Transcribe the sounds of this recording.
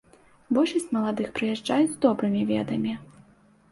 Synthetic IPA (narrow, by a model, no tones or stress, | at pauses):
bɔlʲʂɐsʲt͡sʲmɐlˠad̪ɨxpɾɨjaʐd͡ʐajud͡zʲzd̪ɔbɾɨmʲivʲɛd̪ɐmʲi